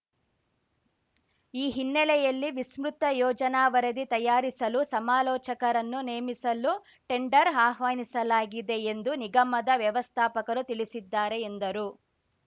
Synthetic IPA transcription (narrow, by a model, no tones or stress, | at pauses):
iːɦinːɛlɛjɐlːiʋismɾut̪ɐjɔːd͡ʒɐnaːʋɐɾɐd̪it̪ɐjaːɾisɐlusɐmaːlɔːt͡ʃɐkɐɾɐnːuneːmisɐlu | ʈe̞ɳɖɐɾaːɦʋaːnisɐlaːɡid̪e̞end̪uniɡɐmɐd̪ɐʋjɐʋɐst̪ʰaːpɐkɐɾut̪iɭisid̪ːaːɾe̞ːnd̪ɐɾu